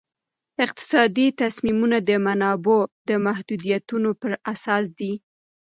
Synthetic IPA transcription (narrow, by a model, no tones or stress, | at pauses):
ɪq̚t̪ɪ̥sɑd̪it̪asmimunad̪əmanɑbod̪əmahd̪ud̪ijat̪unopəɾasɑs̬d̪i